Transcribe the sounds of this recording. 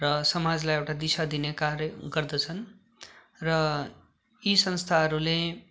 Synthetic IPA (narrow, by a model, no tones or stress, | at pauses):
rʌsʌmad͡zlajewʈad̪isad̪inekarɡʌrd̪ʌt͡sʰʌn | rʌ | isʌnst̪ʰaɦʌɾule